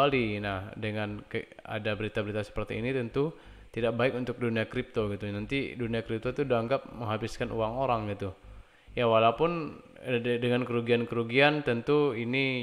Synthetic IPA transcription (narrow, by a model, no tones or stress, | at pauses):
alinahdəŋanka̰dabəɾit̪abəɾit̪asə̥pərt̪ḭːnit̪ənt̪u | t̪idak̚baɪkunt̪ʊk̚duniakɾip̚t̪oɡit̪unant̪iduniakɾip̚t̪ot̪udaaŋɡap̚məŋɦabɪskanʔuaŋoɾaŋɡit̪u | jawalaupʊn | dəŋankəɾuɡiankəɾuɡiant̪ənt̪uini